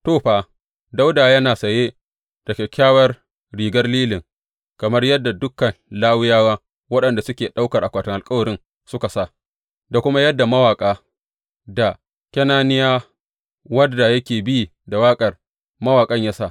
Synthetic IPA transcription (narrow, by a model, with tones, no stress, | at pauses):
toː˦ɸaː˨ | da˦wdaː˨jɐ˦naː˨sɐ˨je˦ | d̥ɐ˨kʲe˨kʲaː˦wɐ˦r | ɽiː˨ɡɐ˦rliː˦lɪ˨ŋ | kɐ˨mɐ˦rjɐ˦dːa˨dʊ˦kːɐ˨nlaː˦wɪ˦jaː˦waː˦ | wɐ˦ɗɐ˨nda˨sʊ˦kʲeː˨ɗa˦wkɐ˨rʔa˨kʷaː˨tɪ˨ŋʔa˨lkʼɐ˦wɐ˨ɾɪ˦ŋ | sʊ˦ka˨sa˦˨ | da˨kʷʊ˦ma˦jɐ˦dːa˨mɐ˦waː˨kʼaː˦ | da˨ | kʲɐ˦naː˦nɪ˦jaː˦ | wɐ˦da˨jɐ˦kʲeː˨bi˦ | da˨waː˦kʼɐ˨r | mɐ˦waː˨kʼɐ˦ɲja˦sa˦˨ʔ